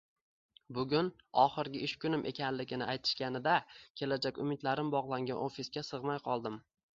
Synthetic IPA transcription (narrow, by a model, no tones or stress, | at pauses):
bʊɡʲʊnɒχɨɾɡʲɪɪʃkʲʊnɪmʔe̞̰kʲʰanlɪɡʲɪnɪʔajt̪ʰɪ̥ʃkʲanɪd̪akʲʰe̞lad͡ʒakʲʊmɪd̪laɾɪmbɒʁlˠaŋɡʲa̰nofiskʲasɨʁmajqʰɒlˠd̪ɪm